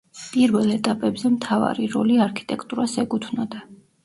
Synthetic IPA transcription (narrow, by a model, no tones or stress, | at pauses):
pʼiɾvɛlɛt̪ʼapʼɛbzɛmt̪ʰava̰ɾiɾɔ̰liaɾkʰi̥t̪ʼɛkʰt̪ʼuɾasɛɡʼut̪ʰwnad̪a